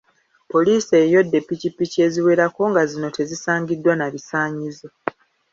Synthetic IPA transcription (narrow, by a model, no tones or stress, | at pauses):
po̞liːseːjo̞dːe̞pːicipːicie̞ziwe̞ɾako̞ŋɡazino̞tʰe̞zisaːɲɟidːwanaβisaːɲizo